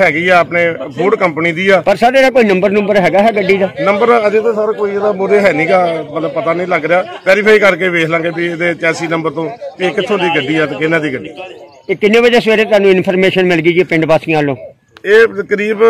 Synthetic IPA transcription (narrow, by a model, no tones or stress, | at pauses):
ɦɛːɡiːɛːəpneːboːɖkəmpniːd̪iːɛːpəɾsaːɾeːd̪aːkoːiːnəmbəɾnəmbəɾɦɛːɡaːɦɛːɡəɖːiːd̪aːnəmbəɾəd̪eːt̪õːsaːɾãːkoːiːed̪aːbuɾeːɦɛːnĩːɡaːmət̪ləb̚pət̪aːnəĩːləɡɾɪjaːpɛːɾɪpʰaːiːkəɾkeːʋeːkʰlãːŋɡeːbieːd̪eːt͡ʃɛːsiːnəmbəɾt̪õːt̪ekːɪt̪ʰːõːd̪iːɡəɖːiːɛːt̪eːkɪnãːd̪iːɡəɖiː | eːkɪnːẽːbəd͡ʒeːsʋeːɾeːt̪ʊaːnũːɪnpʰəɾmeːʃənmɪlɡiːd͡ʒiːpɪ̃ɳɖpaːsĩãːlõː | eːt̪əkɾiːb